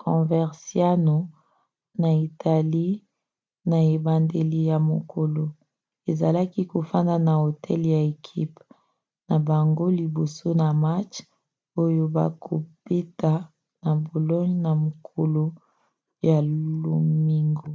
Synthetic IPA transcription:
kʰɔ̃˨vɛ˨ʁsja˦no˨ | na˨i˨tʰa˨li˦ | na˨e˨ba˨nde˨li˨ja˨mo˨kʰo˨lo˨ | e˨za˨la˦ki˦ko˨fa˦nda˨na˨o˨tʰɛ˦lja˨e˨kʰḭ˦p | na˨ba˨ŋɡo˦li˨bo˨so˦na˨ma˦t͡ʃ | o˦jo˦ba̰˨kʰo̰˨be˦ta˨ | na˨bo˨lɔ˦nna˨mo˨kʰo˨lo˨ | ja˨lo̰˨mi˦ŋɡo˨

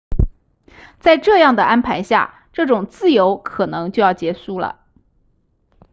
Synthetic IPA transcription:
t͡sa˥˧ɪʈ͡ʂɤ˥˧jɑ˥˩ŋd̪ə˩ʔa˥npʰa˧˥ɪɕja̰˥˩ | ʈ͡ʂɤ˥˩ʈ͡ʂʊ˨˩ŋt͡sɹ̩˥˩jo˧˥ʊkʰɤ˨˩nɤ˧˥ŋt͡ɕjo˥˧ʊjɑ˥˩ʊt͡ɕjɛ˧˥ʂu˥˩lə̰˩

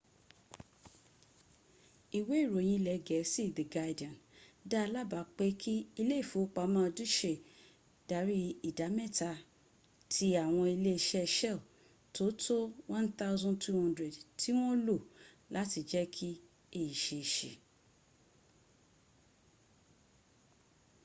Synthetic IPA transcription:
i˨we˨˦i˦˨ɾo˨j̃ĩ˧lɛ˨ɡɛ˨si˦˨ðə˨ɡa˧dã˨nda˦˧la˦ba˨˦k͡pe˦kʰi˦i˧le˦i˦˨fo˨˦k͡pa˨˦mãː˦˧du˦ʃe˨ | d̥a˨˦ɾi˦i˦˨da˨˦mɛ˦˨ta˧ | tʰi˧a˨w̃ɔ̃˧i˧le˦i˧ʃɛ˦˧ʃɛ˦˨ | to˨˦tʰo˦wã˦nθa˦ʊ˦zɔ̃˦ntʰu˦hã˦ndɾe˨dtʰi˦w̃ɔ̃˦lo˦˨ | la˨˦ti˧d͡ʒɛ˦kʰi˦ | e˦˨i˨ʃe˨ʃe˨

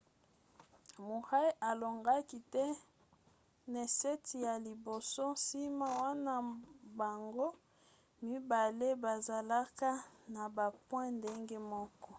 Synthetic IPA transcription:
mu˨ʁa˦i˦ʔa˨lo˨ŋɡa˦ki˨tɛ˦ | ne˨se˦tʰi˨ja˨li˨bo˨so˦si˦ma˦wa˦na˦ba˨ŋɡo˦ | mi˦ba˨le˦ba˨za˨la˦ka˦na˨ba˨pwɛ̃˦nde˦ŋɡe˦mɔ˦kɔ˦

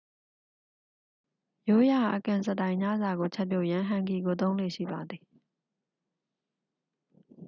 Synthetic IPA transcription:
jo˦ja˨ʔə˨kã˨nsə˨tã˨ɪ̃ɲa̰˦˨za˨ɡo˨t͡ɕʰɛ˦pjo̰˦˨jã˦ɦã˨ŋki˨ɡo˨t̪̬õ˦ʊ̃lwḛ˦˨ʃḭ˦˨ba˨d̪i˨

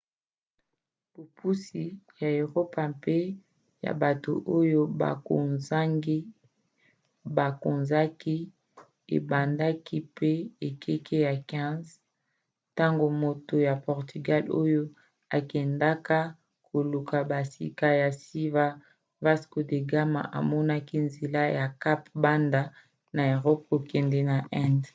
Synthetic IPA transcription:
b̥o˨pu˦si˨ja˨e˨ʁo˦pa˨mpe˦ | ja̰˨ba˨to̰˨ʔo˦jo˦ba̰˨ko˨nza˦ŋɡi˦ | ba˨ko˨nza˦ki˦ | ḛ˨ba˨nda˦ki˦pe˦e˨kʰe˦kʰe˦ja˨kɛ̃˦nz | ta˦ŋɡo˨mo˨to˨ja˨pɔ˨ʁty˨ɡa˦lo̰˦jo˦ | a˨kɛ˨nda˦ka˦ | kʰo˨lu˨ka˨ba˨sḭ˨ka˦ja˨si˦va˦ | va˦sko˨de˨ɡa˦ma̰˨ʔa̰˨mɔ˦na˦ki˦nze˨la˦ja˨ka˦pba˦nda˦ | na˨e˨ʁɔ˦p̚ko˨kɛ˨ndɛ˦na˨ʔɛ̃˦nd

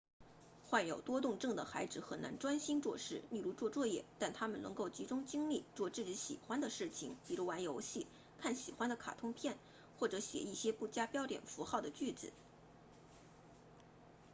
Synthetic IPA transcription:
xwa˥˩njo˨˩ʊt̪wɔ˥t̪ʊ˥˧ŋʈ͡ʂɤ˥˩ŋd̪ə˩xa˧˥ɪt͡sɹ̩˧˥xə˨˩na̰˧˥nʈ͡ʂwa˥nɕi˥nt͡swɔ˥˧ʂɻ̩˥˩li˥˧lu˧˥t͡swɔ˥˧t͡swɔ˥˧jɛ˥˩t̪a˥˩nt̪ʰa˥mə˨nɤ˧˥ŋko˥˩ʊt͡ɕi˧˥ʈ͡ʂʊ˥ŋt͡ɕi˥ŋli˥˧t͡swɔ˥˧ʈ͡ʂɻ̩˥˩ʈ͡ʂɻ̩˧˥ɕḭ˨˩xwa˥nd̪ə˨ʂɻ̩˥˩t͡ɕʰi˩ŋpi˨˩ɻu˧˥wa˧˥njo˧˥ʊɕi˥˩ | kʰa˥˩nɕi˨˩xwa˥nd̪ə˨kʰa̰˨˩t̪ʰʊ˥ŋpʰjɛ˥˩n | xwɔ˥˩ʈ͡ʂɤ˧˥ɕjɛ̰˨˩i˥˩ɕjɛ˥pu˥˩t͡ɕja˥pjɑ˥ʊljɛ̰˨˩nfu˧˥xɑ˥˩ʊd̪ə˩t͡ɕy˥˩t͡sɹ̩˨˩˦

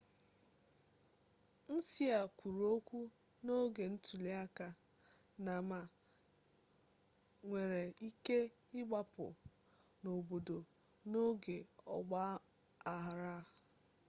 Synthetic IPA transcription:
n̩˦si˦a˨kʷu˨ɾu˨o˦kʷu˦ | no˦ɡe˨n̩˦tu˨le˦a˦ka˨ | na˨ma˨ | ŋʷe˨ɾe˨i˦ke˦ | ɪ˦ɡ͡ba˦pʊ̰˨ | no˨bo˨do˨ | no˦ɡe˨ɔ̰˨ɡ͡ba˦ | a˨ɦɾa˦

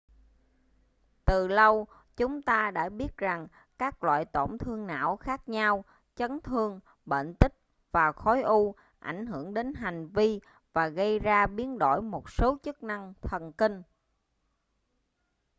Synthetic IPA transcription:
t̪ɨ˨˩lə˧w | t͡ɕʊ˨˦ŋ͡mt̪aː˧ɗa̰ː˧˥ɓi˦˥ət̚za˨˩ŋ | kaː˦˥k̚lwa̰ː˧˨jt̪o̰˧˩ŋ͡mt̪ʰɨ˧əŋna̰ː˧˥˨wxaː˦˥k̚ɲa˧w | t͡ɕə˨˦nt̪ʰɨ˧əŋ | ɓə̰ː˧˨nt̪ï˦˥k̚ | vaː˨˩xɔ˨˦jʔu˧ | ʔa̰˧˩jŋ̟ɦɨ˧˩əŋɗe˨˦nɦa˨˩jŋ̟vi˧ | vaː˨˩ɣə˧jzaː˧ɓi˨˦ənɗo̰˧˩jmo˨˩t̚so˨˦t͡ɕɨ˦˥k̚na˧ŋt̪ʰə˨˩nki˧ŋ̟

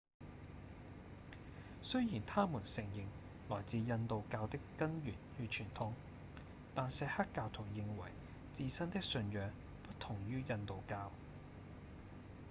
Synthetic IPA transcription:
sɵ˥ɥjiː˨˩nt̪ʰaː˥muː˨˩nsɪ˨˩ŋjɪ˨ŋ | lɔː˨˩jt͡siː˧jɐ˧nt̪o˨wkaː˧wt̪ɪ˥kːɐ˥njyː˨˩nyː˧t͡ʃʰyː˨˩nt̪ʰʊ˧˥ŋ | t̪aː˨nsɛ˨˧hɐ˥tkːaː˧wt̪ʰʊ˨˩ŋjɪ˨ŋwɐ̰˨˩j | t͡siː˧sɐ˥nt̪ɪ˥k̚sɵ˧njœː˨˧ŋ | pɐ˥t̚t̪ʰʊ˨˩ŋjyː˥jɐ˧nt̪o˨wkaː˧w

